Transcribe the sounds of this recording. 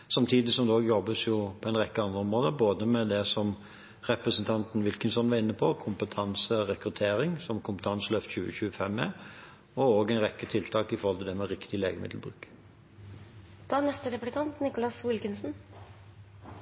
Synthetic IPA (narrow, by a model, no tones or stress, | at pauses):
sɑmt̪ʰiːd̪ɪsɔmd̪oːɡjɔbːəsjʊpʰɔɛnʁɛkːəɑnd̪ɾəɔmɾoːd̪əboːd̪əmɛd̪ɛsɔm | ʁɛpɾəsənt̪ʰɑnt̪n̩ʋɪlkənsɔnʋɑɪnːəpʰɔkʰʊmpət̪ʰɑnsəʁɛkɾʉt̪ʰeːɾɪŋsɔmkʰʊmpə̥t̪ʰɑnsəløft̪çʉːə̰çʉːəfɛmːɛ | ɔoːɡæɪnʁɛkːət̪ʰɪlt̪ʰɑːkɪfɔɾhɔlt̪ɪd̪ɛmɛɾɪkt̪ɪleːɡəmɪ̰d̪l̩bʁʉ̰ːk | d̪̥ɑːnɛst̪əɾɛplɪkʰɑnt̪nɪkʊlɑsʋɪlkənsn̩